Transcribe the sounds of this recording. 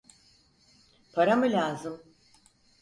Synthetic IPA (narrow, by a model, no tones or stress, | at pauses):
pʰaɾamɯlʲaːzɯm